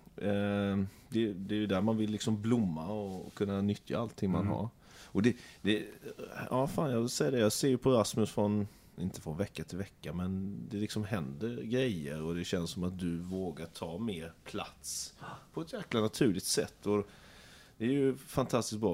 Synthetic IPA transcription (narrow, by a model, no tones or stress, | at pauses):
d̪ɛd̪ɛːɾjɵd̪æːɾmanvɪlːɪksɔmblʊmːaɔkʰɵnːanʏt̪ʰja̰alt̪ʰːɪŋma̰nɦa̰ɾ | ɔd̪ɛd̪ɛjɑːfaːnjɑːvɪlsɛjːad̪ɛjɑːseːɾjɵpʰɔɾasmɵsfɾɔn | ɪnt̪ə̥fɾɔnvɛkːat̪ʰɪlvɛkːamɛnd̪ɛlɪksɔmɦɛnd̪əɾɡɾɛjːəɾɔd̪ɛɕɛnssɔmat̪̚d̪ɵvoːɡaʈʰɑːmeːɾpʰla̰t̪spʰɔɛt̪jæːklanat̪ʰʉ̟ːlɪɡ̚t̪sɛt̪ʰːɔ | d̪̥ɛːɾjɵfant̪ʰast̪ɪsk̚bɾɑː